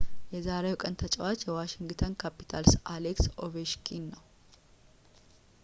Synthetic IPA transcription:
jɛzaɾewkʼənt̪ʰət͡ʃʼɛwat͡ʃːjɛwaʃɪŋɡt̪ʰənkʰapːi̥t̪ʰalsʔaleksoveʃkʰinːəw

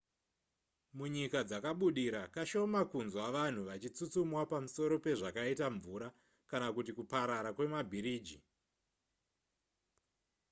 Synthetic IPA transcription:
muɲikad͡zakaɓuɗiɾakaʃo̞makunzwaʋan̤uʋat͡ʃit͡sut͡sumwapamuso̞ɾo̞pe̞ʐakaitaɱvuɾa | kanakutikupaɾaɾakwe̞mabʱiɾiːd͡ʒḭ

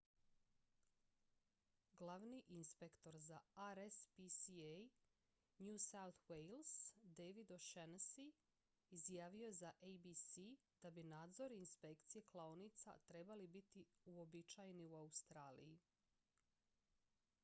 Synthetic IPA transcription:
ɡlaʋniʔinspe̞kt̪o̞ɾzaaɾespisiej | njusawt̪wejlˠsd̪ejʋid̪oʃensiː | zjaːʋio̞jezaʔejbisi | d̪̥abinaːd̪zo̞ɾiinspe̞kt̪sije̞klˠaonit̪sa̰t̪ɾe̞balibit̪iuo̞bit͡ʃajeniuaust̪ɾaːlḭji

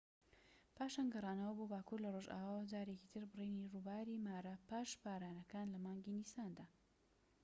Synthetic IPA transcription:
paːʃanɡɐrˤɑːnɐwɐbobaːkuːɾlɐroʒa̰ːwaːwd͡zaːɾekcit̪ʰɨɾbɨrejnirubaːɾimaːɾɐpaːʃbaːɾaːnɐkaːnlɐmaːŋɡinisaːnd̪aː

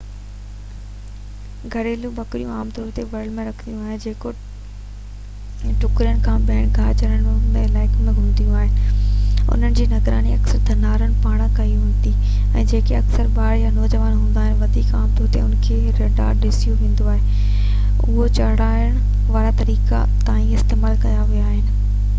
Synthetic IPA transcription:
ɡʱɐɾeːlũbɐkɾijũaːmt̪ɔːɾt̪eʋɐɾɖmẽɾɐkʰə̃nijũaːɦed͡ʑeːko | ʈʊkɾijəɽɪ̆kʰãːɓɛ̃ːɽ̃ɡʱaːd͡ʑəɾəɽ̃mẽlaːɪkmẽɡʱũːn̆d̪ijũaːɦɪnɪ̆ʊ̰n̤ənɪ̆d͡ʑeːnɐɡɾa̰ːniɐksəɾd̪ʰʱɐnaːɾəɽ̃̆paːɽ̃kɐiɦũːnd̪i | ɛ̰̃ːd͡ʑeːkeɐksəɾɓaːɽjanɔːd͡ʑəʋaːnɦũːn̆d̪aːɦɪnɪ̆ʋɐd̪ʱiːkaːmt̪ɔːɾt̪ḛʊnkʰe | ɾeːɖa̰ːɾɗɪsijuʋẽːn̆d̪oaːɦe | ʊɦot͡ɕɐɽaːəɽ̃ʊ | ʋaːɾat̪ɐɾiːka̰ | t̪aːĩɪst̪eːmaːlkɐjaʋijaːɦɪnɪ̆

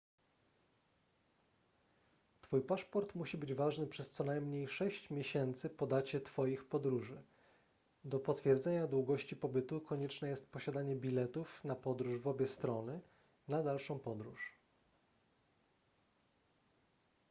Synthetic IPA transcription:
t̪fujpaʂpɔɾt̪muɕibɘd͡ʑvaʐnɘpʂɛst̪sɔnajmɲejʂɛɕt͡ɕmʲjeɕɛnt̪sɘpɔd̪at͡ɕɛt̪fɔjixpɔd̪ɾuʐɘ | d̪ɔpɔt̪fʲjɛɾd̪zɛɲad̪wuɡɔɕt͡ɕipɔbɘt̪ukɔɲɛt͡ʂnɛjɛst̪̚pɔɕad̪aɲɛbʲilɛt̪ufnapɔd̪ɾuʐvɔbʲjɛst̪ɾɔnɘ | nad̪alʂɔ̃w̃pɔd̪ɾuʂ

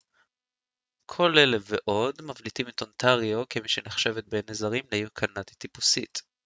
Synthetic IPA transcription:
kʰo̞le̞leveʔo̞dmavlitimit̪ontʰaʁio̞kemiʃeneχʃe̞vet̪̚benezaʁimlejukʰanatit̪ipu̥sḭt̪

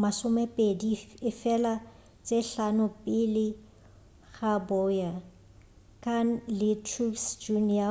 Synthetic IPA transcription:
masʊmɛpʼediɪfɛla | t͡sʼeɬanʊpʼɪlɪ | ɣabɔːja | kʰʼan̩lɪtʰruksd͡ʒunia

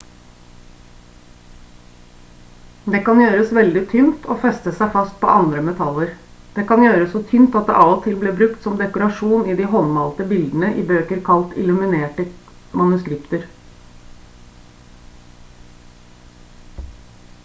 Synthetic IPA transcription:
d̪eːkɑnjøːɾəsʋɛld̪ɪt̪ʰʏnt̪ʰo̰ːfɛst̪əsæɪfɑst̪̚pʰo̰ːʔɑnd̪ɾəmɛt̪ʰɑləɾd̪̥eːkɑnjøːɾəsot̪ʰynt̪ɑt̪d̪̰ʔɑːɔt̪ʰɪlbleːbɾʉkt̪sɔmd̪ɛkʊɾɑʂuːniːd̪iːɦɔnmɑlt̪əbɪld̪n̩əʔiːbøːkəɾkʰɑlt̪ɪ̰lʉmɪneːʈə | mɑnʉskɾɪpt̪əɾ

